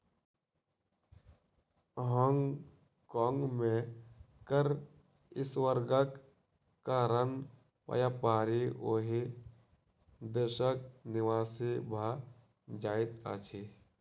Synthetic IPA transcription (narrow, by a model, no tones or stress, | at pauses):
ɦɔːŋɡ | kɔːŋɡmẽkəɾ | ɪswəɾɡək | kːaɾən | pə̰japaːɾiʔoːɦi | d̪əɾʃək̚nɪwaːsebʱa | d͡ʒaːɪt̪a̰t͡ʃʰe